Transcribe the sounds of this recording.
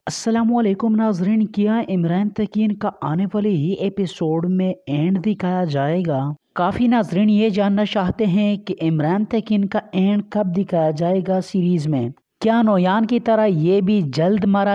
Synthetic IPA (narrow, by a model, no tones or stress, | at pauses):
ɐsːɐlaːmuɐleːkʊmnaːzɾiːnkijaːʔɪmɾaːnt̪ʰɛkiːnkaʔaːneʋaːleɦiʔeːpɪsoːɖmẽẽːɳɖd̪ɪkʰaːjad͡ʒaːeːɡaːkaːfinaːzɾiːnjed͡ʒaːnːat͡ʃaːɦt̪eɦɛ̃keʔɪmɾaːnt̪ʰɛkiːnkaɛ̃ːɳɖkɐb̚d̪ɪkʰaːjad͡ʒaːeːɡasiːɾiːzmẽ | kjaːnɔːjaːnkit̪ɐɾajeːbʱid͡ʒɐld̪maɾa